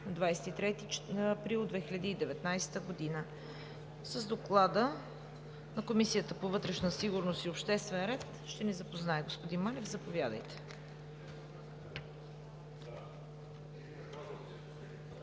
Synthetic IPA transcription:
nɐd̪vajsɛ̥t̪it̪ɾɛt̪iɐpɾilˠd̪vɛxilʲɐd̪iːd̪ɛvɛt̪najsɛ̥t̪əɡod̪inə | səzd̪oklˠad̪ə | nɐkomisijət̪əpovɤt̪ɾɛʃnəsiɡʊɾnost̪iopʃt̪ɛst̪vɛnɾɛt̪ | ʃt̪ɛnɛzɐpoznaɛɡospod̪inmanɛvzɐpovʲjad̪ə̰jt̪ɛ̥

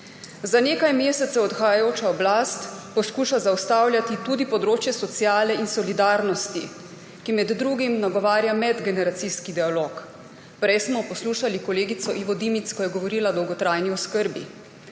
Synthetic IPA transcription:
zaneːkajmjeːsɛt̪sɛɔt̪xajajoːt͡ʃaɔblast̪pɔskuːʃazawst̪awlʲjat̪it̪uːd̪ipɔd̪ɾoːt͡ʃjɛsɔt̪sjaːlɛinsɔlid̪aːɾnɔst̪ḭ | kimɛd̪ːɾuːɡimnaɡɔʋaːɾjamɛd̪ɡɛnɛɾat̪siskid̪ɛaloːk | pɾɛjsmɔpɔsluːʃalikɔleːɡit̪sɔʔiʋɔd̪imit̪skɔjɛɡɔʋɔɾiːlad̪ɔwɡɔt̪ɾajniɔskəɾbḭ

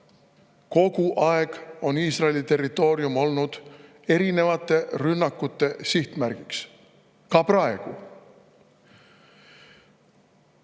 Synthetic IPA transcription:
ko̞ɡ̥uʔɑeɡ̥o̞niːsrɑelit̪e̞rːit̪ˑo̞ːɾiumo̞lnud̪̥ | e̞ɾine̞vɑt̪ːˑe̞rynːɑkːˑut̪ːe̞siht̪mæɾɡ̥iks | kɑprɑe̞ɡ̥u

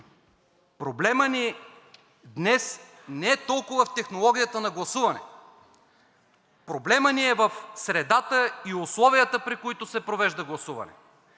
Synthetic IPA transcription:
pɾoblɛməni | d̪nɛs | nɛɛt̪ɔlˠkʊvɐft̪ɛxnolˠɔɡʲijət̪ənɐɡlˠɐsuvɐnɛ̰ | pɾoblɛməniɛvɐfsɾɛd̪at̪əiʊslˠɔviət̪əpɾikoit̪ʊsɛpɾovɛʒd̪ɐɡlˠɐsuvɐ̰nɛ̰

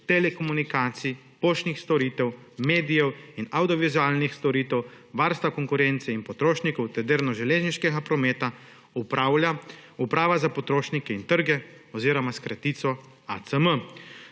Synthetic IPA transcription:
t̪ɛlɛkɔmunikaːt̪si | poːʃnixst̪ɔɾiːt̪ɛwmeːd̪ijɛwinawd̪ijɔʋizuaːlnixst̪ɔɾiːt̪ɛw | ʋaɾst̪ʋakɔŋkuɾɛnt̪sɛinpɔt̪ɾoːʃnikɔwt̪ɛd̪eɾnɔʒɛleːzniʃkɛɡapɾɔmeːt̪a | upɾawlaupɾaːʋazapɔt̪ɾoːʃnikɛint̪əɾɡɛɔziːɾɔmaskɾat̪iːt̪sɔ | a̰t̪səmə

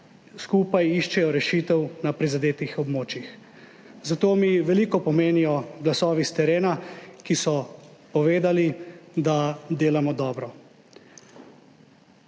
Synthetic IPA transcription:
skuːpajiʃt͡ʃɛjɔɾɛʃiːt̪ɛwnapɾizad̪eːt̪ixɔbmoːt͡ʃjix | zat̪oːmiʋɛliːkɔpɔmeːnijɔɡlasɔːʋist̪ɛɾeːnakisɔpɔʋeːd̪alid̪ad̪eːlamɔd̪ɔːbɾɔ

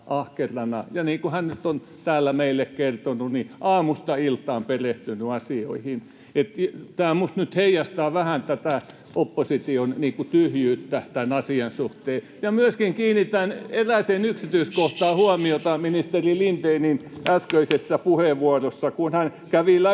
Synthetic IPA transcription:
ʔɑhkerˑɑnɑ̰jɑniːŋkuhænnyt̪ːon | t̪æːlːæmeilːˑekkert̪onuniʔɑːmust̪ɑilt̪ˑɑːmpereht̪ynyɑsio̰ihin | et̪t̪æːmust̪nyt̪heijɑst̪ɑːʋæhænt̪ːæt̪æˑ | ʔopːosit̪ionniːkut̪yhjyːt̪ːæt̪ænɑsiɑnsuht̪eː | jɑmyøskiŋkiːnit̪æneræsenyksit̪yiskoht̪ɑːhuɑmiot̪ɑminist̪erilint̪eininæskøisesːɑpuheʋʋuorosːɑkunhænkæʋilæ

